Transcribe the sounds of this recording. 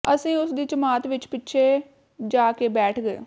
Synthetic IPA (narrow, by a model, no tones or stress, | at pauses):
əsĩːʊsd̪iːt͡ʃəmaːt̪ʋɪt͡ʃpɪtːʃʰeː | d͡ʒaːkeːbɛːʈʰɡəḛː